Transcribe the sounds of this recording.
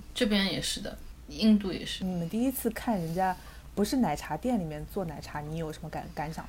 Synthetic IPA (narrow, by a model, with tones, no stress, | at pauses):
ʈ͡ʂɤ˥˩pjɛ˥njɛ˨˩ʂɻ̩˥˩d̪ə̰˩i˥˧ŋt̪u˥˩jɛ̰˨˩ʂɻ̩˥˧n̩˩t̪i˥˩i˥t͡sʰɹ̩˥˧kʰa˥˩nɻə˧˥nt͡ɕja˥ | pu˧˥ʂɻ̩˥˩na˨˩ɪʈ͡ʂʰa˧˥t̪jɛ˥˩nli˨˩mjɛ˥˧nt͡swɔ˥˩na˨˩ɪʈ͡ʂʰa˧˥ni˧˥jo˨˩ʂə˧˥mə˧a̰˧˩˦nka˧˥nʂʰɑ̰˨˩˦